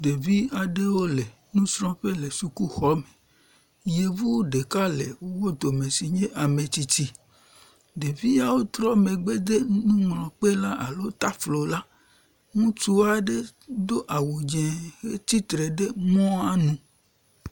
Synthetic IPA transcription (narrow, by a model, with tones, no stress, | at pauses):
ɖe˨vi˦a˨ɖe˦wo˦le˨ | nũ˦sɾɔ̃˦ɸe˦le˨su˨ku˦xɔ˦me˨ | je˨vu˦wɖe˨ka˦le˨wo˦wo˦d̪o˨me˨si˨ɲẽ˦ʔa˨mẽ˨t͡ɕi˦t̪i˦ | ɖe˨vi˦ja˦wo˦t̪ɾɔ˦me˨ɡ͡be˦d̪e˦nũ˦ŋlɔ̃˨k͡pe˦la˦ʔa̰˨lo˦t̪a˦flo˨la˦ | ŋũ˦t͡ʃu˦a˨ɖe˦d̪o˦ʔa˨wo˨d͡ʒɛ̃˨xe˦t̪i˦t̪ɾɛ˨ɖe˦mɔ̃˦a˦nũ˨